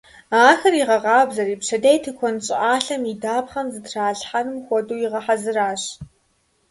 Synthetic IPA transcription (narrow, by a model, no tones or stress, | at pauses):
aːxɐriʁɐʁɑːbzɐriːpʂɐdejtʰɨkʷʰɔnɕʼɪʔaːɬɐmidaːpχɐnzɨtraːɮħanɨmxʷɔduːjiʁɐħazɨraːɕ